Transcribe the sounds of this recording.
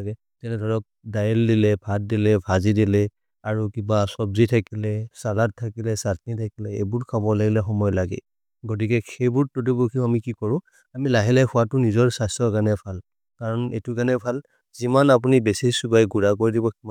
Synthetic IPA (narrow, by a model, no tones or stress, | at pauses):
ɡɛ | tɛnɛdʱɔɹɔk̚dajɛldilɛbʱat̚dilɛbʱazidilɛ | aɹukibasɔbzitʰakilɛsalat̚tʰːakilɛsatnitʰakilɛebʊɹkʰabɔlaɡilɛxɔmɔjɔlaɡɛ̰ | ɡot̬ikɛxejbuɹtotibukʰiamikikɔɹʊ̃ | amilaɦɛlɛxʰʊwatʊnizɔɹsajstɹɔkanɛpʰal | kaɹɔnetukanɛpʰal | zimanapunibesisubajɡuɹakoɹidibɔi